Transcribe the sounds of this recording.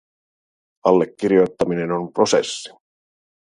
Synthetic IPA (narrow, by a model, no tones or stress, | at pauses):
ɑlːe̞kːiɾijo̞jt̪ːɑmine̞no̞npro̞se̞̰sːi̥